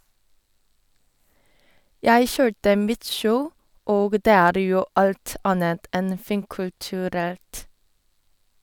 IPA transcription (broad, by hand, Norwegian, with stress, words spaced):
ˈjæɪ ˈçøːʈə ˈmɪt ˈʃəʊ ˈoːɡ ˈdeː ˈæːɾ ˈjuː ˈɑlt ˈɑnət ˈʔɛn ə ˈfiːŋkʉltʉˌɾɛlt